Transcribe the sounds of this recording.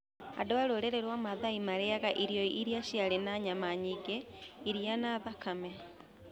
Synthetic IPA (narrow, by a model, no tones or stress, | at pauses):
a̰doaɾoɾeɾeɾwamaðaimaɾeaɣaʔiɾjɔiiɾiaʃialenaɲamaɲiɡeiɾianaðakamɛ